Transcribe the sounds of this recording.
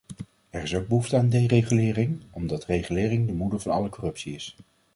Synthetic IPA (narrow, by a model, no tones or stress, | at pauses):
ɛɹɪsowɡ̚bəɦuftəaːndejrejχylɪːrɪŋɔmdɑtrejχylɪːrɪŋdəmudəɹvɑnɑ̰ləkɔrɵpsiɪs